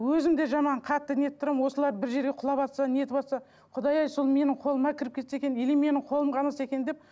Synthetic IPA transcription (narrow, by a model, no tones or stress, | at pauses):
wɵzɪmd̪e̞ʒɑmɑɴqʰɑt̪ːəne̞t̪ɪt̪ʰʊɾmwo̞səlˠɑɾbɪɾʒe̞ɾɡʲe̞qʰʊlˠɑpɑt̪sɑneje̞t̪ɪpɑt̪sɑ | qʰʊd̪ɑjɑjsolˠme̞nɪɴqʰo̞lˠəmɑkʲʰɪɾɪp̚kʰʲe̞t̪sekʲe̞neleme̞nɪŋqʰo̞lˠəmqʰɑnəse̞kʲend̪ep̚